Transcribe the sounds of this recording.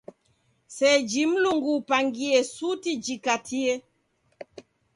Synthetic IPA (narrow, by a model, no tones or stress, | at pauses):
sɛd͡ʒim̩luŋɡupaŋɡiɛsutid͡ʒikatʰiɛ